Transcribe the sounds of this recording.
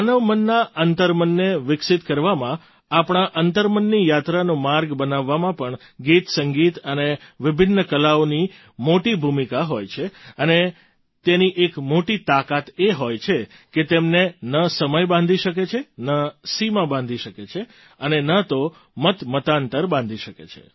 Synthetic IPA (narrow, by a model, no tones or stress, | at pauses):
anəʋmənːaʔənt̪əɾmənːeʋɪksɪt̪kəɾʋamã | apɳ̃aʔənt̪əɾmənːijat̪ɾanũmaɾɡbənaʋːamãpəɳ | ɡit̪səŋɡit̪əneʋɪbʱɪnːəkəlaoni | moʈibʱumikaɦojt͡ʃʰeəne | t̪eniʔekmoʈit̪akat̪eɦojt͡ʃʰe | ket̪emnenəsəməjbãnd̪ʱiʃəket͡ʃʰenəsimãbãnd̪ʱiʃəket͡ʃʰe | ənenət̪o | mət̪mət̪ant̪əɾbãnd̪ʱiʃəkḛt͡ʃʰḛ